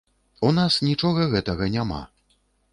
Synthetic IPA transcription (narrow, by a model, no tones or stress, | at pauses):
unasnʲit͡ʂɔɣɐɣɛt̪ɐɣɐnʲama̰